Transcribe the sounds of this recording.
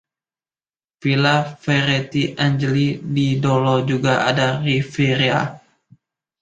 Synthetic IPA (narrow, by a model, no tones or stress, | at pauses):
filafɛɾet̪iʔand͡ʒəlididolɔd͡ʒuɡaadarifiɾia̰